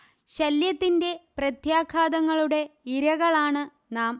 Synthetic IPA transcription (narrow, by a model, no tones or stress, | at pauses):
ɕɐljɐt̪ːinde̞prɐt̪jaːkʰaːd̪ɐŋːɐɭuɽe̞iɾɐɣɐɭaːɳɨ | naːm